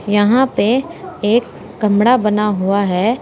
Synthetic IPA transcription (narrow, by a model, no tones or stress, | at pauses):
jɐɦãpeeːkː | ɐmɽabɐnaɦuaɦɛː